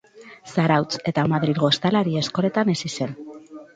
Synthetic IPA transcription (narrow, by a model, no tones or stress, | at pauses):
saɾawt͡se̞t̪amaðɾiðɣo̞st̪alaɾie̞sko̞ɾe̞t̪ane̞sise̞n